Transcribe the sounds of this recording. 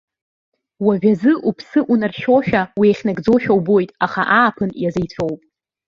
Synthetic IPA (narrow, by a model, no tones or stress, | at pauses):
waʒᶣazɨʔupʰsɨʔunarʃoʃᶣawieχʲnaɡd͡zoʃᶣawbojtʼaχa̰ʔaːpʰɨnjazajt͡sʷʰowpʼ